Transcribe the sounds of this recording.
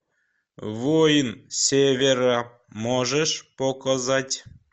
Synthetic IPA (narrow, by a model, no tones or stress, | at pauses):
vojənsʲevʲeɾɑ | moʒeʃpokɑzɑtʲ